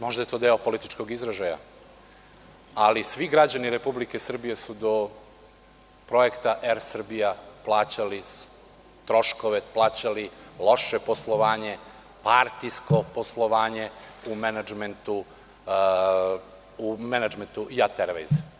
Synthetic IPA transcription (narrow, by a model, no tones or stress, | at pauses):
mo̞ʒd̪ajet̪od̪eopo̞lit̪it͡ʃko̞ɡizɾeʒaja̰ | alisʋiɡɾad͡ʑaniɾe̞publike̞sr̩bijesud̪o̞ | pɾo̞ekt̪aʔeɾsr̩bijaplˠaːt͡ɕali | t̪ɾo̞ʃkoʋe̞plˠaːt͡ɕalilˠo̞ʃepo̞slˠo̞ʋaːɲe̞ | paɾt̪ijsko̞poslˠo̞ʋaːɲe̞umenad͡ʒment̪u | umenad͡ʒment̪uʔiat̪eɾʋejz